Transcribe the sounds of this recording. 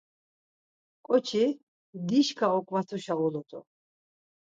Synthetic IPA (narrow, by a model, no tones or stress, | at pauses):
kʼɔt͡ʃʰi | d̪iʃkʰaɔkʼmat̪ʰuʃaɔlɔt̪ʼɔ̰